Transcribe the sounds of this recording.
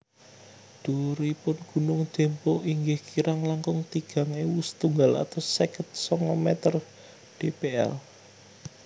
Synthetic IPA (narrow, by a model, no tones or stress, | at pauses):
d̪̥oɾpʊnɡ̥ṳnʊŋd͡ʒ̥ɛ̤mpɔʔiŋɡɪhkiɾaŋlaŋkʊŋt̪iɡ̥a̤ŋewust̪uŋɡala̰t̪asɛkət̪̚sɔŋɔmɛt̪ər | ɖ̥epeɛ̰l